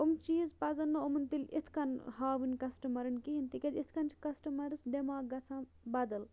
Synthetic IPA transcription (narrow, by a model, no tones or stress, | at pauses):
omt͡ʃiːzpɐzɐnːɐomɐnt̪ilʲḭt̪ʰkɐnhaːʋinʲkɐsʈɐmɐɾɐnkiɦint̪ikʲɐzit̪ʰkɐnt͡ʃʰi̥kɐsʈɐmɐɾɨsd̪emaːɡɐt͡sʰã | bɐd̪ɐl